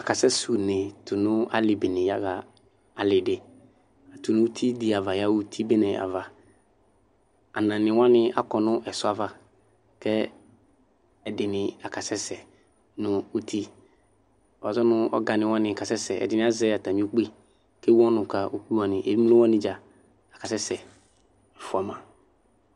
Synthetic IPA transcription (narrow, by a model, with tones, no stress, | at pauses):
a˨ka˨sɛ˦su˨ne˨tʊ˨nʊ̃˦a̰˦lɪ˨bɪ˨nɪ̃˨ja̰˦ka˨ | a˨lɪ˨dɪ˨ | a˨tʊ˨nʊ̃˦u˦t̪ʰi˦dɪ˨a˨va˨ja˦u˦tʰi˦be˦nɛ˨a̰˨va˨ | a˨nã˨nɪ̃˨wã˦nɪ̃˦a̰˦kɔ˨nʊ̃˦ʔɛ˨sʊ˦a˨va˨ | kɛ˦ | ɛ˨dɪ˨nɪ̃˨a˨ka˨sɛ˦sɛ˨ | nʊ̃˨u˦tʰi˦˨ | a˨zɔ˦nʊ̃˦ɔ̰˦ɡa˨nɪ̃˨wã˦nɪ̃˨ka˨sɛ˦sɛ˨ɛ̰˨dɪ˨nɪ̃˦a˦zɛ˦a˨ta˨mĩ˦o˦k͡pi˦ | ke˦wɔ̃˦nʊ̃˨ka˨ʔo˨ku˦a˨nɪ̃˨ʔḛ˨i˦m˦lʊ̃˦wɔ̃˦nɪ̃˦d͡ʒa˨ | a˨ka˨sɛ˦sɛ˨ | ɛ˨fʊ˨a˨mã˨